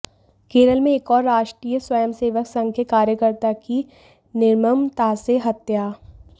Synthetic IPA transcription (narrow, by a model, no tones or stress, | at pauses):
keːɾəlmẽeːkɔːɾːaːʃʈɾiːjəswɐjəmseːʋəksɐ̃ŋkʰjekaːɾjəkəɾt̪aki | nɪɾməmt̪aːseɦɐt̪jaː